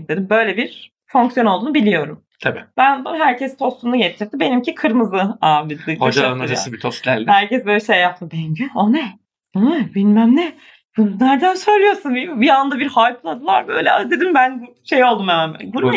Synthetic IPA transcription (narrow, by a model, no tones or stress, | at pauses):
t̪ed̪imbø̞jlʲɛbiɾ | fo̞ŋksijo̞nolˠd̪uːnubilʲijo̞ɾum | t̪ʰabḭːb̥ænbuɦæɾcʰɛst̪ʰo̞st̪ʰumnuɟet͡ʃ̪ʰiɾd̪ibe̞nimcikʰɯɾmɯzɯavid̪ɯkod͡ʒaamad͡ʒasɯbit̪ʰoslʲæ̰ɾlʲhæɾcʰɛsbøːlʲɛʃejːap̚t̪ɯmbɛɲɟyonɛ | onɛbinmæmnɛ | bunnæɾd̪ænsøjlʲijo̞ɾsunbimbiand̪abiɾhajpʰlˠad̪ɯlˠaɾbø̞jlʲɛd̪ed̪imbæn | ʃejo̞lˠd̪umemænɛ̰ɡuɾ